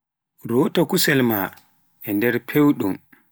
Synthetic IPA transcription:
ɾoːtɔkusɛlma | ʔɛndɛɾpʰewɗum

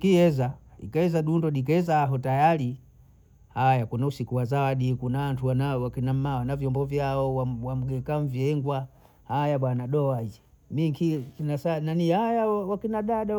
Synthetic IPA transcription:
kiɛzaḭkaɛzaɗundɔɗik̬ɛɛzaːɦɔtajali | hajakunausikuwazawaɗikunawantuwanawakinam̩mawanavjɔmbɔvjaɔwawam̩ɡɛkaɱ̩vjɛŋɡwa | hajaɓwanaɗɔad͡ʒɛ | miŋkikinasananihajawakinaɗaɗa

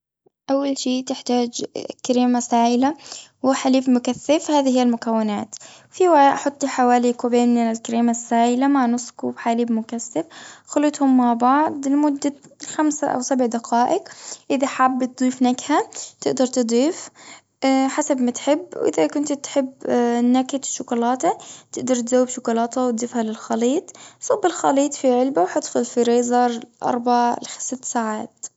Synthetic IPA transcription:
ʔawːalʃiːt̪ɪħt̪aːd͡ʒkːaɾiːmasaːʔɪlawɪħaliːbmʊkaθːɪfhaːðihijːalmʊkawːɪnaːt̪wfiːwaaʔħʊt̪ˤːliħawaːlikubeːnɪnɪlkaɾiːmasːaːʔɪlamaʕnʊsˤkubħaːliːbmʊkaθːɪfxʊlɪt̪hʊmːaʕbɑʕd̪ˤlmʊd̪ːaxamsa̰ʔa̰wsabʕd̪aqaːʔɪkʔɪðaħabːt̪̚d̪ˤiːfnakhat̪ɪʔd̪ɑɾˤt̪ɨd̪ˤiːf | ħasabmat̪ħɪbːwʔɪ̰ðakʊnt̪t̪ħɪbnakat̪ʃʊkʊlɑːt̪at̪ɪʔd̪ɑɾˤt̪zawːɪbʃʊkʊlɑːt̪awt̪̚d̪ˤifhalɪlxɑliːt̪ˤsˤɑbːɪlxɑ̰liːt̪ˤfiʕɪlbawħɑt̪ˤfʊlfiɾeːzɑɾˤʔɑ̰ɾˤbaʕalsɪt̪ːsaːʕaːt̪

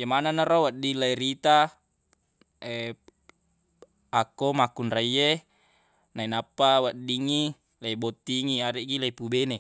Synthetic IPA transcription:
jemananarowadilaiɾit̪a | e | akomakunraije | nainapːawadiŋi | laibot̪ːiŋiaɾeʔɡilaipubene

